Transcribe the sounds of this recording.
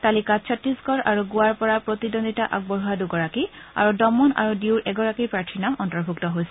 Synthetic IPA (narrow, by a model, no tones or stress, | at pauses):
talikat͡ʃʰɔtɹiskɔɹa̰ɹuɡʊaɹpɔɹapɹotidondʱitaʔa̰ɡ̚bɔɹuaduɡɔɹakia̰ɹudɔmɔna̰ɹudiuɹʔɛɡɔɹakipɹaɹtʰinamɔntɔɹbʱuktɔɦojsɛ